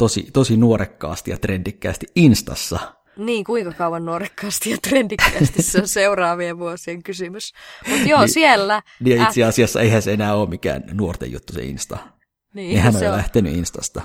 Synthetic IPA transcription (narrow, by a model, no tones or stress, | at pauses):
t̪osḭt̪osinuoɾekːɑ̰ːst̪ijɑt̪rend̥ikːæ̰st̪iinst̪ɑ̰sːɑ | niːŋkuiŋkɑkɑuʋɑnnuorekːɑːst̪ijɑt̪rend̥ikːæsisːeonseurɑːʋieʋuosieŋkysymysmut̪joːsielːæniːjɑiseɑsiɑsːɑ̰eihænseenæːoːmmikæ̰ːnnuort̪ḛjṵt̪ːusḛḭnst̪ɑ̰ | niːnehænojlæht̪eny̰inst̪ɑst̪ɑ